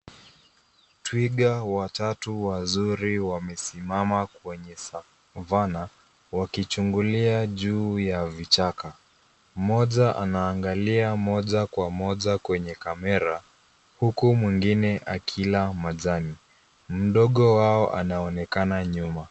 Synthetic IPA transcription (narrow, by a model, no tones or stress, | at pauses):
twiɡawatatuwazuɾiwamɛsimamakwɛɲɛsa | vana | wakit͡ʃuŋɡuliaʄuːjavit͡ʃaka | mɔʄaʔa̰naːŋɡaliamɔʄakwamɔʄakwɛɲɛkamɛɾa | hukumwiŋɡinɛʔakʰilamaʄani | m̩ɗɔɠɔwaɔʔa̰naɔnɛkanaɲuma